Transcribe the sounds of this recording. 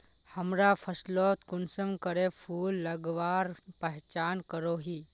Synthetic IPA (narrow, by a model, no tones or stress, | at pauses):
həmɾapʰɐsloːt̪kʊnsəmkəɾepʰuːlːəɡʋaːɾpəɦt͡ʃaːnkəɾoːɦiː